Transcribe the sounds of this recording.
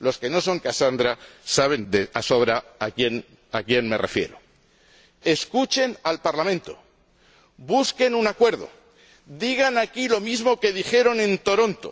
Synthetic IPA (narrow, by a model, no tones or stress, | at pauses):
lo̞ske̞no̞so̞ŋkasand̪ɾasaβ̞e̞nd̪easo̞β̞ɾaakjen | akje̞nme̞̰rʔe̞̰fje̞̰ɾo | e̞skut͡ʃe̞nalpaɾlamẽnt̪o̞̰ | buske̞nunakwe̞ɾð̞o̞̰ | d̪iɣ̞anakilo̞mizmo̞ke̞ð̞ixe̞ɾo̞nẽ̞nt̪o̞ɾo̞nt̪o̞̰